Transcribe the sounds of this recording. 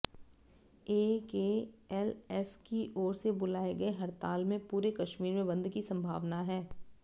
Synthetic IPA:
eːkeːɛlɛfkiʔɔːɾsebʊlaːeɡɐeɦɐɾt̪aːlmẽpuːɾekɐʃmiːɾmẽbɐ̃nd̪ʱkisɐ̃mbʱa̰ːʋnaɦɛː

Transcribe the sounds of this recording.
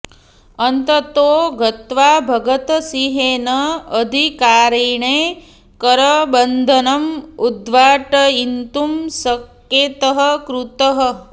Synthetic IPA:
ɐnt̪ɐt̪oːɡɐt̪ʋaːbʱɐɡɐt̪siɦeːnɐːd̪ʱikaːɾiːɳeː | kɐɾɐbɐnd̪ʱɐnɐmud̪ʋaːʈɐint̪umsɐk | jeːt̪ɐɦɐ̆kɾut̪ɐɦɐ

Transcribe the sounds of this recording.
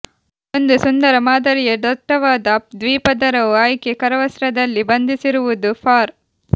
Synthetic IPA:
ond̪usund̪ɐɾɐmaːd̪ɐɾijɐɖ̪ɐʈːɐʋaːd̪ɐd̪ʋiːpɐd̪ɐɾɐʋuaːjkekɐɾɐʋɐsɾɐd̪ɐlːibɐnd̪ʱisiɾuʋud̪upʰaːɾ

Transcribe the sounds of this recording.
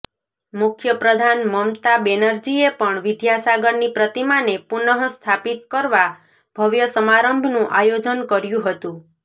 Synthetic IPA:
mukʰjəpɾəd̪ʱanməmt̪abenəɾd͡ʒiepəɳʋid̪ʱjasaɡəɾnipɾət̪imanepunəɦst̪ʰapit̪kəɾʋa | b̥ʱəʋjəsəmaɾəmbʱnũʔajod͡ʒənkəɾjũɦət̪ũ

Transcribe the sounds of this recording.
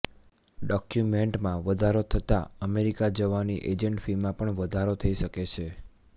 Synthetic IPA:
ɖɔkjumeɳʈmãʋəd̪ʱaɾot̪ʰət̪aəmeɾikad͡ʒəʋaniʔed͡ʒəɳʈfimãpəɳʋəd̪ʱaɾot̪ʰəiʃəket͡ʃʰe

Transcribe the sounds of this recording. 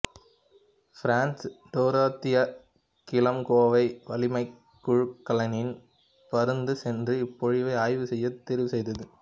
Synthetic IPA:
fɾaːnsɖ̪oːɾaːt̪ːɪjɐ | kɪlɐmkoːʋɐɪʋɐlɪmɐɪ | kːʊɻkːɐlɐnɪn | pɐɾɯnd̪ɯsɛndrɯɪpːɔɻɪʋɐɪaːjʋɯsɛjːɐt̪ːɛɾɪʋɯsɛjðɐðɯ

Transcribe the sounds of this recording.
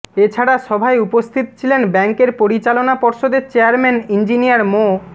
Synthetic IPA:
et͡ɕʰaɽaʃɔbʱaeupost̪ʰit̪ot͡ɕʰilenbɛŋkeɾpoɾit͡ɕalonapɔɾʃod̪et͡ɕeaɾmɛnind͡ʑinijaɾmo

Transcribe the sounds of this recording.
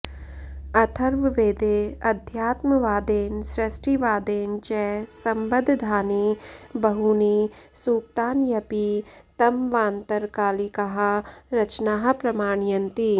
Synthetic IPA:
ɐt̪ʰɐɾʋɪʋeːd̪eːɐd̪ʱjaːt̪məʋaːd̪eːnsɾɪsʈʰiʋaːd̪eːnt͡ʃɛːsɐ̃mbəd̪ʱd̪ʱaːniːbɐɦunisuːk̚t̪aːnjɐpit̪ɐmʋãːnt̪əɾkaːlikɐɦaɾɐt͡ʃnaːɦpɾɐmaːɳ̃jənt̪i

